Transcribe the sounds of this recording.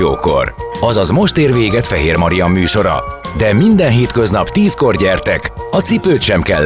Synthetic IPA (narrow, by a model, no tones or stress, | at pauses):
oːko̞̰r | ɒzɒzmo̞ʃt̪eːrveːɡɛt̪fɛɦeːrmɒɾijɒmːyːʃo̞ɾɒ̰ | d̪ɛmind̪ɛnɦeːt̪kø̞znɒpt̪iːsko̞rɟɛrt̪ɛkɒt̪sipøːt̪ʃɛmkɛlː